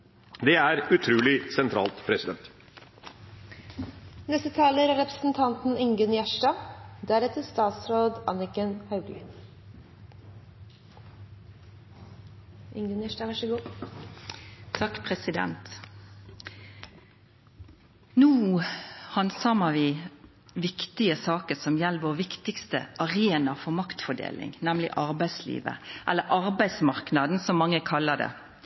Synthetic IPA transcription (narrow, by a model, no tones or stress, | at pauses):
d̪ɛæɾʉt̪ʰɾʉːlɪsɛnt̪ʰɾɑ̰ːlt̪pʰɾɛsɪd̪ɛnt̪ | nɛst̪ət̪ʰɑːləɾɾɛpɾəsn̩t̪ʰɑnt̪n̩ɪŋɡʉnjæʂʈɑːd̪æɾɛt̪əst̪ɑːt̪sɾoːd̪ɑnɪkənhɑʉɡlɪ̰ | ʔɪ̰ŋɡʉnjæʂʈɑːʋæʂəɡuː | t̪ʰɑkpʰɾɛsɪd̪ɛ̰nt̪ | nuː | hɑnsɑməʋɪː | ʋɪkt̪ɪəsɑːkəsɔmjɛlːʋoːʁʋɪkt̪ɪkst̪ə̰ʔɑɾeːnɑfɔmɑkt̪fɔɖ̪ḛːlɪ̰ŋnɛmlɪ̰ʔɑɾbæɪslḭːʋə̰ʔɛlːəɾʔɑɾbæɪsmɑʁknɑd̪n̩sɔmːɑŋːəkʰɑlːəd̪ɛ̰